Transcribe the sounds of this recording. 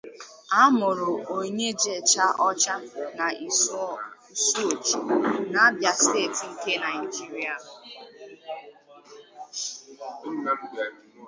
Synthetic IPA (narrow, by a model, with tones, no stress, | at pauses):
a˦mʊ˨ɾʊ˨o˨ɲe˦d͡ʒe˦˨t͡ʃa˦ʔɔ˦t͡ʃa˦na˨i˨sɔ˦˨ | so˦˨t͡ʃi˨na˨a˦bja˦ste˦˨tŋ̩˦ke˦na˨i˨d͡ʒi˦ɾi˦a˨˦